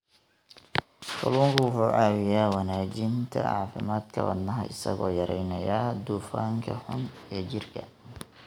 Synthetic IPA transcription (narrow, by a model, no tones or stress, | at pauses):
kʰʊluːŋkʰʊwʊħuːʕɑːwɪjaːwɑnaːt͡ʃɪnt̪ʰɐ̰ʔɑːfɪmaːd̪kʰɐwɐ̰d̪nɐɦɐ̰ʔɪsɐ̰ɣɔːjɐɾɛjnɐjaːd̪uːfaːŋkʰɐħʊn | ɛːt͡ʃɪrkʰɐ